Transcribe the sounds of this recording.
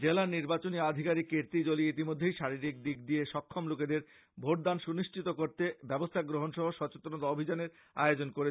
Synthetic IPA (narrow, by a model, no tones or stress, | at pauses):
d͡ʑelaniɾbat͡ɕoniad̪ʱikaɾikːeɾt̪id͡ʑoliit̪̬imod̪ʱːejʃaɾiɾik̚d̪ik̚d̪ieʃɔkʰːomloked̪eɾ | bʱoʈ̚d̪anʃuniʃʈʰit̪okoɾt̪ebɛbost̪ʰaɡɾoɦonʃɔɦoʃɔt͡ɕet̪onot̪aobʱid͡ʑaneɾ | a̰eod͡ʑonkoɾe